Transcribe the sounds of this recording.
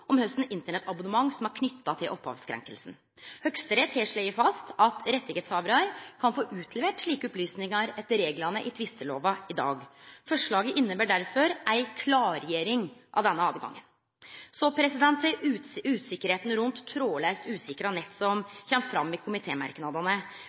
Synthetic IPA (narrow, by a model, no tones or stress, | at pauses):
ʔɔmhœst̪n̩ɪnt̪əɳɛt̪ʰɑbʊnəmɑŋːsɔmæɾkʰnʏt̪ːɑt̪ʰɪlʔɔphɑ̰ːʋskʰɾɛ̰ŋkəlsn̩ | hœkst̪əɾeːt̪ʰɾeːʂɭɛɪəɾfɑst̪ʰɑt̪ʰɾɛt̪ːɪɡeːt̪sɑːʋɾɑɾkʰɑnfoːʔʉːt̪ʰlɛʋeːʈʂɭiːkəɔplyːsnɪŋɑɾɛt̪ːəɾeːɡlɑnəʔɪt̪ʰʋɪst̪əlo̰ːʋɑɪd̪ɑ̰ːɡfɔʂɭɑːɡəʔɪnːəbæːɖæɾfɔɾʔæɪkʰlɑːɾjeːɾɪŋʔɑ̰ʋd̪ɛnːəɑːʋɡɑ̰ŋːə̰n | sɔpʰɾɛsɪd̪ɛnt̪ʰːəʉːt̪sɪkːəɾheːt̪n̩ɾʉnt̪ʰːɾoːlæɪst̪ʉːsɪkəɾɑnɛt̪ːsɔmçɛmt̪fɾɑmːɪkʰʊmɪt̪ʰeːmɑ̰ɾknɑd̪ɑnə